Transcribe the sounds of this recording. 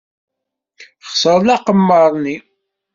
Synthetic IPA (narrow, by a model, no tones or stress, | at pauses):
χsəɾˤlɑqəmːəɾˤni